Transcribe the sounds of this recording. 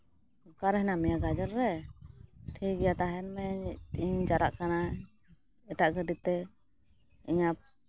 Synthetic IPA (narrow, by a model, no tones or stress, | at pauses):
ɔkaɾɦɛnamɛjaɡad͡ʒaɾɾɛ | ʈʰiɡɛjat̪aɦɛnmɛiɲd͡ʒaɾaʔkana | ɛʈaʔɡəɖit̪ɛ | iɲap̚